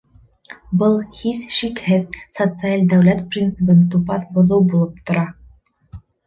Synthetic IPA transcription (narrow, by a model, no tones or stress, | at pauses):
bɤlˠhisʃikhɘðsot̪sɨalʲd̪æwlæt̪prʲint̪sɨpɤnt̪upɑθbŏðɤwbulˠɤp̚t̪ŏɾɑ